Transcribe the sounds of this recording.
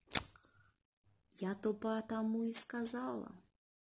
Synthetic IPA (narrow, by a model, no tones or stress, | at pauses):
jat̪ɔpɐt̪amuiskazalˠɐ̰